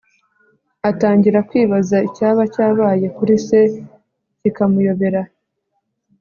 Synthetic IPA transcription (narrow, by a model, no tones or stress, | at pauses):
ataːɲɟiɾakwiːβazaicaːβacaːβaːje̞kuɾise̞ | cikamujo̞βe̞ɾa